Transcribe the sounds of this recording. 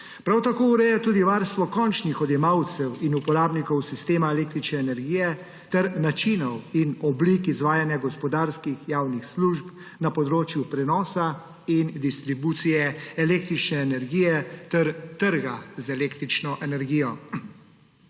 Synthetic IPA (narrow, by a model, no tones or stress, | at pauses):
pɾawt̪akoːuɾɛːjɛt̪uːd̪iʋaɾst̪ʋɔkɔnt͡ʃnixɔd̪jɛmawt̪sɛwinupɔɾaːbnikɔwsist̪eːmaɛleːk̚t̪ɾit͡ʃnɛːnɛɾɡiːjɛ | t̪ɛɾnat͡ʃinɔwinɔblikizʋaːjanjaɡɔspɔd̪aːɾskixjaːwnixsluʒp | napɔd̪ɾoːt͡ʃjupɾɛnɔːsa | ind̪ist̪ɾibuːt̪sijɛɛleːk̚t̪ɾit͡ʃnɛːnɛɾɡiːjɛt̪ɛɾt̪əɾɡazɛleːkt̪ɾit͡ʃnɔʔɛnɛɾɡiːjɔ